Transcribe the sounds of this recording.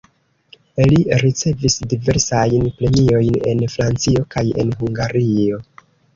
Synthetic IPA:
eliɾit͡se̞visdive̞ɾsajnpɾe̞nio̞jne̞̰nfɾant͡sio̞kaje̞̰nɦuŋɡaɾio̞

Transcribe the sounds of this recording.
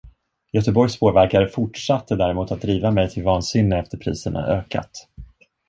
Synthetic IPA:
jœt̪əbɔɾjspʰoːvæɾkaɾəfʊʈʂat̪ʰːəd̪æːɾɛmuːt̪at̪̚d̪ɾiːvamɛjt̪ʰɪlvɑːnsɪnːəɛft̪əɾpʰɾḭːsəɳa̰ʔøːka̰t̪

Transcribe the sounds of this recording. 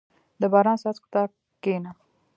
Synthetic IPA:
d̪əbɑɾɑnsɑt͡skɪ̥t̪ɑb̚ | kena

